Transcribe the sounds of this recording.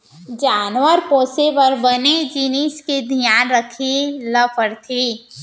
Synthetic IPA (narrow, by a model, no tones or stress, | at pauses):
d͡ʒaːnwəɾpoːsepɐɾbəned͡ʒiniːskid̪ʱijaːnɾəkʰiləpʰəɾt̪ʰi